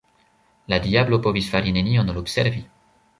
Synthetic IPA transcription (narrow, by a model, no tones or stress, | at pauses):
lad̪iablopɔvisfaɾineniɔ̃nolobsɛɾvi